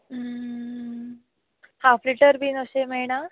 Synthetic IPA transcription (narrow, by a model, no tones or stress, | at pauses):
hafliʈəɾbʱiːnoɕemeɭɳ̃a